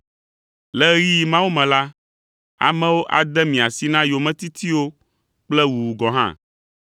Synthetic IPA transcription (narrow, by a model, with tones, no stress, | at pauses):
lɛ˦ji˦mã˦wu˦mɛ̃˨la˦ | a̰˨mɛ̃˦wo˦ʔa˨d̪ɛ˦mĩ˨a˨si˦nã˦jo˨mɛ̃˦t̪i˦t̪ʰi˦wo˦ | k͡plɛ˦wu˨wu˨ɡɔ˨ɦã̰˦˨